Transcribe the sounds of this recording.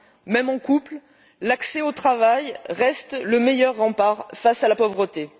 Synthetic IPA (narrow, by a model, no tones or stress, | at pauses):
mɛmɑ̃kupl | laksɛot̪χavajʁɛst̪ləmejœʁːɑ̃paʁfasalapɔvʁət̪e